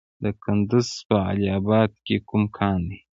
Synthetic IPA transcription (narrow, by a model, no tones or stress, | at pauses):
d̪əkʰʊnd̪uzpəa̰liabɑd̪̚kekumkʰɑːnd̪i